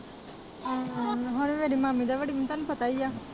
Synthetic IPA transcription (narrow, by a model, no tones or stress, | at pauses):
ɦoɾʋeːɽimaːmĩd̪aʋeːɽimint̪aːnũpət̪aːiaː